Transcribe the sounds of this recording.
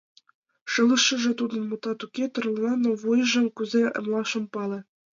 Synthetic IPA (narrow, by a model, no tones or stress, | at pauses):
ʃɤ̆lˠɤ̆ʃːɤ̆ʒĕt̪ud̪ɤ̆nmŭt̪ɑt̪ukʲet̪ɤ̆rlˠnɑnoβuj̆ʒɘ̆mkuzeʔə̰̆mlˠɑʃɤ̆mpɑlĕ